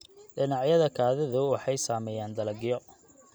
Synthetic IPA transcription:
ɖɪnɑʕjɐðɐkʰaːðɐðʊwɑħɑjsaːmɛjaːnd̪ɐlɐɡɪjɔ

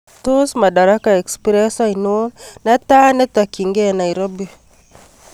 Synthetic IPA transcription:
tosmadaɾakaekspiɾɛsainuonnatanetakiŋɡenaiɾobi

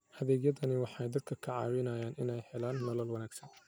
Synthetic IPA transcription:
hɐðɛːɡjɐðɐnɪwɑħɑjd̪ɐd̪̚kʰɐkʰɐʕɑ̰ːwɪnɐjaːnʔɪnɛjhɛlaːnːɐlɐlwɐnaːɡsɐn

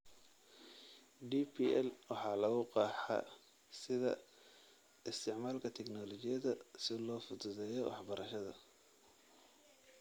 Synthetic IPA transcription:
ɖiːpʰiʔɛlwɑħɑːlɐɣʊqɑːħɑ̰ | sɪðɐ̰ | ɪst̪ʰɪʕmaːlkʰɐt̪ʰɛɡnɔːlɔt͡ʃɪjɐðɐsɪlɔːfʊt̪ʊðɛːjɔwɑ̰ħbɐɾʔɐʃɐðɐ̰

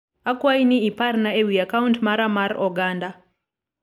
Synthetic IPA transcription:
akwainiiparnaewiakawntmaɾamarɔɡaːnda

